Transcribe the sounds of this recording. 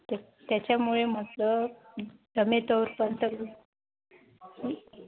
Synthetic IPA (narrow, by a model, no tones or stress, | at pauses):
t̪ | t̪jat͡ɕjamuɭem̤ət̪lə | d̪əmet̪əwɾpənt̪əklu | i